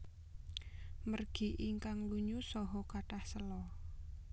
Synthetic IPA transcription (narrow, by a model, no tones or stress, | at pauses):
mərɡ̥i̤ʔiŋkaŋluɲusɔɦɔkaʈahsəlɔ